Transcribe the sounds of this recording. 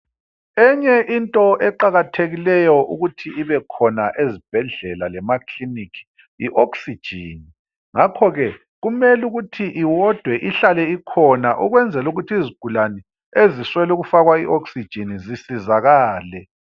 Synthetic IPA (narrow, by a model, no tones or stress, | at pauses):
ɛɲɛʔintʼɔɛǃaɣatʰeɣilɛjɔʔṵɣutʰiiβɛkʰɔnaʔezib̥ʱɛɮɛlalɛmakʰlinikʰi̥ | iʔoksi̥ʒ̥ʱiːni | ŋakʰɔɣɛ | ɣumɛluɣutʰiʔiwɔd̥ʱwɛʔiɬalɛikʰɔnaʔuɣwɛnd͡zʱɛluɣutʰiiziɡ̥ʱulanɛ | eziswɛluɣufaɣwaiʔoksid̥ʒ̥ʱinizisizaɣaːlɛ